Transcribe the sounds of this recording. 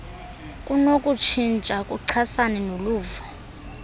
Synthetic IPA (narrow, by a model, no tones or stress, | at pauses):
kʼunokʼut͡ʃʰint͡ʃʼakʼuǀʰasanɛnoluːvɔ